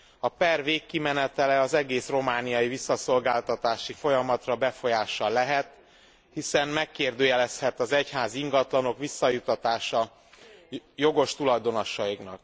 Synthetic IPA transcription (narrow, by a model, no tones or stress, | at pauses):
ɒpɛrveːkːimɛnɛt̪ɛlɛɒzɛɡeːsro̞maːnijɒjivisːɒso̞lɡaːlt̪ɒt̪aːʃifo̞jɒmɒt̪rɒbɛfo̞jaːʃɒlɛɦɛt̪ | hisɛnmɛkːeːrd̪øːjɛlɛshɛt̪ɒzɛchaːziŋɡɒt̪lɒno̞kʋisːɒjut̪ɒt̪aːʃɒ | jo̞ɡo̞ʃt̪ulɒjd̪o̞nɒʃɒiknɒ̰k